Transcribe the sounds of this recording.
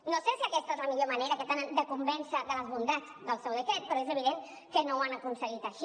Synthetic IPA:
nosesiakɛst̪əezləmiʎomaneɾəkət̪enənd̪əkumbɛnsəðələzβund̪ad͡zðəlˠsewðəkɛt̪̚pəɾɔezəβ̞iðeŋ | kənowanəkunsəɣit̪əʃi

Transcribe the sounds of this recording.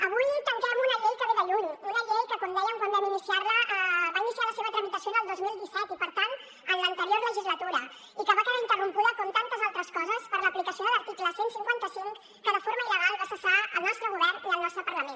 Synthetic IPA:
əβujt̪əŋkɛmunəʎejkəβeðəʎuɲunəʎejkəkand̪ɛjəŋkwand̪əminisiaɾləʔβainisialəseβət̪ɾəmit̪əsionəlˠd̪ozmilˠd̪isɛt̪ipəɾt̪an | ənlənt̪əɾioɾðələʒizlət̪uɾə | ikəβakəðaint̪ərumpuðəkɔmt̪ant̪əzalˠt̪ɾəskɔzəspəɾləːplikəsioðələɾt̪ikləsensiŋkwant̪əsiŋk | kəðəfoɾməiləɣalˠβasəsaəlˠnɔst̪ɾəɣuβɛɾniəlˠnɔst̪ɾəpərləmen

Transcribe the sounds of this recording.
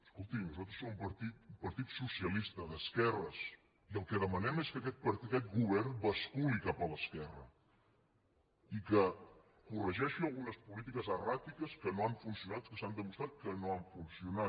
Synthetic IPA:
əskolˠt̪imnuzat̪ɾəsːomumpəɾt̪it̪umpɐɾt̪it̪susiəlist̪əðəskɛrəs | iəlˠkəðəmənɛmeskəkɛt̪̚pəɾkɛt̪̚ɡuβ̞ɛɾnbəskulikapələskɛrə̰ | ikə | kurəʒɛʃiəlˠɣunəspulit̪̬ikəzərat̪ikəskənoaɱfunsiunat̪skəsand̪əmust̪ɾat̪̚kənoaɱfunsiuna

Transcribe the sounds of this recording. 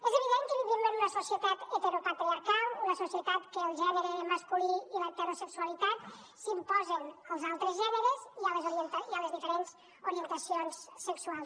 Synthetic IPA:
ɛzeβ̞iðeŋkəβiðimenunəsusiət̪at̪et̪eɾopat̪ɾiaɾkalˠunəsusiət̪at̪kəːlˠʒɛneɾemaskuliilət̪eɾosəksualit̪at̪ | simpɔzənəlˠzalˠt̪ɾezʒɛnəɾeziəlezoɾient̪aiələzðifəɾenz̥ | uɾient̪əsionsːəkswalˠs

